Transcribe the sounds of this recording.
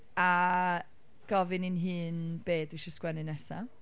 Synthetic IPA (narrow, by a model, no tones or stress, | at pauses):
a | ɡ̥ɔvɨnɪnɦɨːnb̥eːdwiʃɔskwɛnɨnɛsa̰